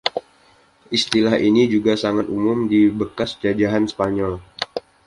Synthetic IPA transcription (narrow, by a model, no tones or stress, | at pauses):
ʔist̪ilahinid͡ʒuɡasaŋat̪umʊmdibəkasd͡ʒad͡ʒaɦanspaɲɔl